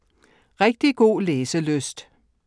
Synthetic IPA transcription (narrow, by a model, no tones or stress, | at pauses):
ʁɛɡ̥̚d̥iɡ̥o̝̰ːleːsəløsd̥